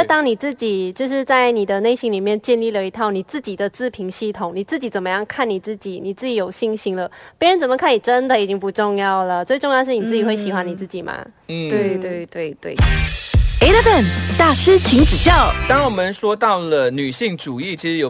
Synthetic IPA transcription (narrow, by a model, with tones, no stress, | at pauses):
t̪ɑ˥ŋni˨˩t͡sɹ̩˥˩t͡ɕi˨˩t͡ɕjo˥˧ʊʂ̬ɻ̩˥˧t͡sa˥˩ɪni˨˩d̪ə˦ne˥˩ɪɕi˧˥ŋli˨˩mjɛ˥˧nt͡ɕjɛ˥˧nli˥˩lə˩i˧˥t̪ʰɑ˥˩ʊni˨˩t͡sɹ̩˥˩t͡ɕi˨˩d̪ə˦t͡sɹ̩˥˩pʰi˧˥ŋɕi˥˩t̪ʰʊ˨˦ŋni˨˩t͡s̩˥˩t͡ɕi˧˥t͡sə˨˩nmə˦jɑ˥˧ŋkʰa˥˩nni˨˩t͡sɹ̩˥˩t͡ɕi˨˩ni˨˩t͡sɹ̩˥˩t͡ɕi˧˥jo˨˩ʊɕi˥˩ŋɕi˧˥ŋlə˧pɛ˥nɻə˧˥nt͡sə˨˩mə˩kʰa˥˩ni˨˩ʈ͡ʂə˦˥nd̪ə˨i˨˩t͡ɕi˦˥ŋpu˧˥ʈ͡ʂʊ˥˧ŋjɑ˥˩ʊlə˩t͡swe˥˧ɪʈ͡ʂʊ˥˧ŋjɑ˥˧ʊʂɻ̩˥˩ni˨˩t͡sɹ̩˥˩t͡ɕi˨˩xwe˥˩ɪɕi˨˩xwa˧˦ni˨˩t͡sɹ̩˥˩t͡ɕi˨˩mɐ̰˩ | n̩˥˩we˥˩ɪt̪we˥˧ɪt̪we˥˩ɪt̪wḛ˥˩ | e˧˥ɪd̪ə˥˧fə˨˩nt̪a˥˩ʂɻ̩˥t͡ɕʰi˧˥ŋʈ͡ʂɻ̩˨˩t͡ɕjɑ˥˩ʊt̪ɑ˥ŋwɔ˨˩mə˨nʂwɔ˥t̪ɑ˥˩ʊlə˨˩ny˨˩ɕi˥˩ŋʈ͡ʂu˨˩i˥˩t͡ɕʰi˧˥ʂɻ̩˧˥jo˨˩